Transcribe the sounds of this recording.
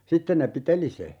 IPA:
sitːen ne piteli se

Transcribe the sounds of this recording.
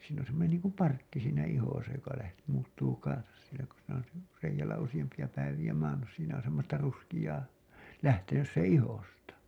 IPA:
siːn on̞ semːonen niːŋkum pɑrkːi siːnæ ihosɑ jokɑ læht muːtːuː kɑnsɑs sielæ ku siːnæ on si reijælˑæ usij̆ɑmpiɑ pæiʋij̆æ mɑːnːus siːnæ on semːostɑ ruskij̆ɑː læhtenys sẽː ihostɑ

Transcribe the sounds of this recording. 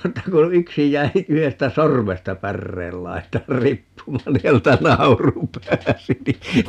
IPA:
etːæ ko yksi jˑæi yhestæ sormestɑ pærːeːl lɑi̯tɑːr ripːumɑːn ni hæneltæ nɑuru pæːsi ni

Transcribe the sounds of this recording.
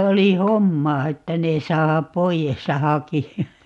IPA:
oli homːɑː etːæ ne sɑː poijes jɑ hɑkiɑ

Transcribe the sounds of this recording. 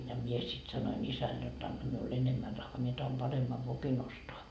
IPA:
jɑ mie sit sɑnoin isæl jot ɑnːɑ miul enemːæ rɑhːɑː mie tɑhom pɑremːɑʋ ʋokin ostoɑ

